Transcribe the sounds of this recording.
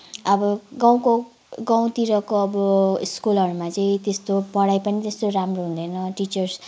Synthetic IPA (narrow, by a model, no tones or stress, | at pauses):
ʌbʌɡãw̃ko | ɡaw̃t̪iɾʌkoʌbʌiskulʌɾumat͡sʌĩt̪est̪opʌɽajpʌnit̪est̪oɾamroɦũnd̪ʌjnʌʈit͡sʌrs